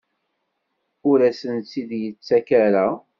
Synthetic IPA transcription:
ʊɾæsənt͡sːiðjət͡sːækæɾæ

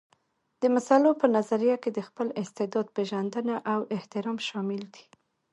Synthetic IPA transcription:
d̪̥əmasalopənazaɾijaked̪əxpəlɪst̪ɪd̪ɑd̪̚peʒand̪ənaʔawɪht̪ɪɾɑmʃɑmɪld̪i̥

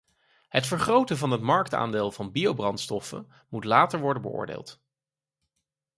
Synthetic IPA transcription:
ɦətfəɹχrowtəvɑnɦətmɑɹk̚ta̰ːndeːlˠvɑnbiowbrɑntstɔfə̰n | mutlaːtəɹʋɔɹdənbə̰ʊ̰ːɹdḛːlˠt

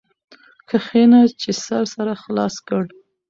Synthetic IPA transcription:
kəxenat͡ʃesaɾsaɾaxlɑskəɽ

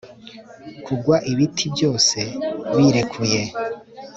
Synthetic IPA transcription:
kuɡwaʔiβitʰibjo̞ːse̞βiɾe̞kʰuje̞

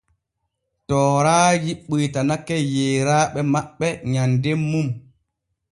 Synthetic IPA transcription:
tɔːɾaːjiɓːujtanakːɛjeːɾaːɓɛmaɓːɛɲandemːum

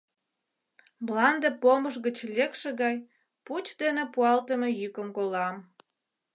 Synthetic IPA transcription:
mlɑnd̪epoməʃɣət͡ɕlʲekʃeɣɑj | put͡ɕd̪enepuɑlt̪əmejykəmkolɑm

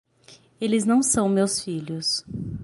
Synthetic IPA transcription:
elɪznɐ̃w̃sɐ̃w̃mewsfiʎʊs

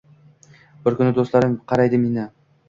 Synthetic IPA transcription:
bɪɾkʰʊnɪd̪oslaɾɪmqʰɑɾajd̪ɪminɪ

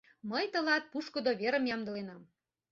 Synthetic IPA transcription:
məjt̪ɤ̆lɑt̪̚puʃkŏd̪oβeɾə̆mjɑmd̪ɤ̆lenɑm

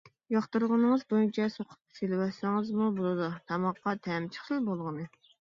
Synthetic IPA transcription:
jɑχt̪ɨɾʁənɨŋəzbojynt͡ʃʰɛsoqʰʊ̥pselwɑsɪŋɨzmubulˠɨd̪ut̪ʰɑmɑqːɑt̪ʰɛmt͡ʃʰə̥χɨlˠbolˠʁənɨ

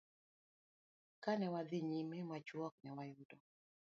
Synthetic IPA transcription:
kanɛwad̪iɲimemat͡ʃwɔk̚nɛwajʊdɔ

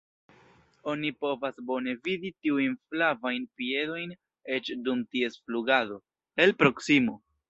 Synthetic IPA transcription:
o̞nipo̞vasbo̞ne̞viditiujnflavajnpie̞do̞jn | e̞t͡ʃdumtie̞sfluɡado̞ | e̞lpɾo̞ksimo̞

